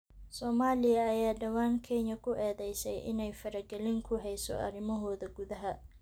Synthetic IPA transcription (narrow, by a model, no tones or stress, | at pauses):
sɔːmaːlɪjɐːjaːɖɐwaːŋkʰɛnjɐkʰʊʔɛːðɛjsɛjʔɪ̰nɛjfɐɾɐɡɛlɪŋkʰʊɦɛjsɔ̰ʔɐ̰ɾɪmɐɦɔːðɐɡʊðɐɦɐ